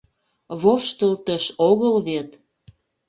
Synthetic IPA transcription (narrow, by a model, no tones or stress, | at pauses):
βoʃt̪əlt̪əʃoɣəlβet̪